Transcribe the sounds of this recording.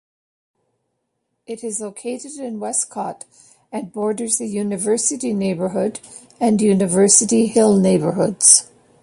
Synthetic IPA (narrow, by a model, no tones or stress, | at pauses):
ɨɾɨzloʊkʰeɪɾɨɾɪ̃nwɛskʰɑɾ | ɨ̃nbɔɹdə˞zðɨjʉnɨvɜ˞sɨɾineɪbə˞ɦʊɾ | ɨ̃njʉnɨvɜ˞sɨɾihɪlˠneɪbə˞hʊdz̥